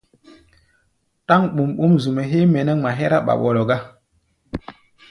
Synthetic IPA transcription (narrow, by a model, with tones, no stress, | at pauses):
ta˦ŋɓu˨mɓo˦mzu˨mɛ˨ɦe˦mɛ˨nɛ˦ŋma˨ɦɛ˦ɾa˦ɓa̰˨ɓɔ˨lɔ˨ɡa˦